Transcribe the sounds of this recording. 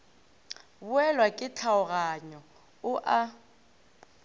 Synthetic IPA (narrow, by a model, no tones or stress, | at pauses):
bʊɛlwakʼɪt͡ɬʰaʊɣaɲɔ | ʊʔa